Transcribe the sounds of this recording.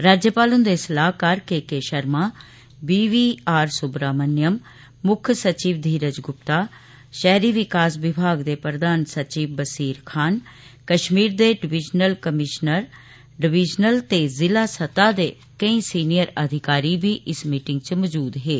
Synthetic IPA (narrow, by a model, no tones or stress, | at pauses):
ɾaːd͡ʒjəpaːlʊnd̪eːsəlaːɦkəɾkeːkeːʃəɾmaː | biːʋiːaːɾsʊbɾaːmənjəmː | ʊkʰsət͡ʃiːʋd̪ʱiːɾəd͡ʒɡʊp̚t̪aː | ʃɛːɾiːʋɪkaːsʋɪbʱaːɡd̪eːpɾəd̪aːnsət͡ʃiːʋbəsiːɾkʰaːn | kəʃmiːɾd̪eːɖɪʋɪd͡ʒnəlkəmɪʃnəɾ | ɖɪʋɪd͡ʒnəlt̪eːzɪlaːsət̪aːd̪eː | kəĩːsiːnijəɾəd̪ʱɪkaːɾiːbʱiːʔɪsmiːʈɪ̃ŋɡt͡ʃəmɔd͡ʒuːd̪ɦeː